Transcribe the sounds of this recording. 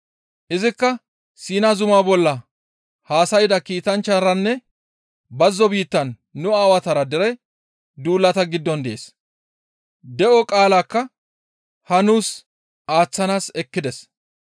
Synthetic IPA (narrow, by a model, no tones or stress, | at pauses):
ʔɪzɪkːɐ | siːnɐzʊmaːbɔlːɐ | haːsɐjɪd̪ɐkiːt̪ɐnt͡ʃːɐɾɐnːɛ | bɐzːɔbiːt̪ːɐnː | ʊaːwɐt̪ɐɾɐd̪ɛɾɛ | d̪uːlːɐt̪ɐɡɪd̪ːɔnd̪ɛʔeːs | d̪ɛʔɔkʼaːlaːkːɐ | hɐnuːs | aːt͡sːɐnaːsɛkːɪd̪ɛs